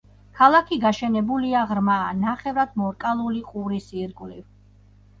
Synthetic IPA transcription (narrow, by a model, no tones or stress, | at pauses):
kʰalˠakʰiɡaʃɛnɛbuliaʁɾmaːnaχɛvɾad̪̥mɔɾkʼalˠuliqʼuɾisiɾɡʼvliv